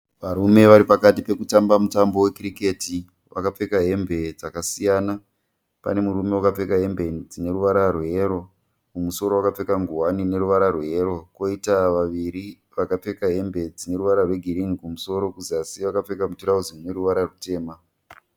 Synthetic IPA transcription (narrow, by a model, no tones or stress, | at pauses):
ʋaɾume̞ʋaɾipakatipe̞kutambamutambo̞we̞kirike̞ti | ʋa̰kap͡fe̞kaɦe̞mbe̞d͡zakasijaːna | pa̰ne̞muɾume̞wakap͡fe̞kaɦe̞mbe̞d͡zine̞ɾuʋaɾarwe̞ɾo̞ | kumuso̞ɾo̞wakap͡fe̞kaŋɡuwanine̞ɾuʋaɾarwe̞ɾo̞ko̞itaʋaʋiɾi | ʋakap͡fe̞kaɦe̞mbe̞d͡zine̞ɾuʋaɾarwe̞ɡʱiɾiŋikumuso̞ɾo̞kuziasiʋakap͡fe̞kamutiɾauziune̞ɾuʋaɾarute̞ːma